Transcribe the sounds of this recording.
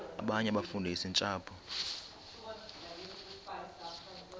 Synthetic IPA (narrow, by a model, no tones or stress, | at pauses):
a̰ɓaɲɛaɓafundʱaisint͡ʃʼaːpʰɔ